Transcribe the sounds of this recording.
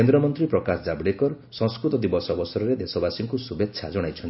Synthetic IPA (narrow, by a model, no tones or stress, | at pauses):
end̪ɾɔmɔnt̪ɾipɾɔkasɔd͡ʒabɽekɔɾ | sɔ̃ŋskɾut̪ɔd̪ibɔsɔbɔsɔɾɔɾed̪esɔbasiŋkusubetːʃʰad͡ʒɔɽ̃ajt͡ʃʰɔn